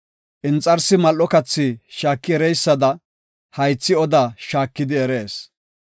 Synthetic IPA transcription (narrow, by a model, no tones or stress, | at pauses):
ʔɪnt͡sʼɐɾsɪmɐlːɔkɐt͡sːɪʃaːkːɪɛɾɛjsːɐd̪ɐ | hɐjt͡sːɪɔd̪aːʃaːkːɪd̪ɪɛɾe̞ːs